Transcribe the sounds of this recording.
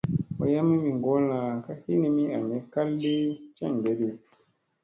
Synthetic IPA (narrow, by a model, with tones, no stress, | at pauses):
wɔ̰˨ja˦mi˦mi˨ŋ˨ɡɔ˦lã˨ka˦hi˦ni˨mi˦a˨me˨˦ka˦lːi˦t͡ʃɛ̰˦˨ŋɡe˨˦di˦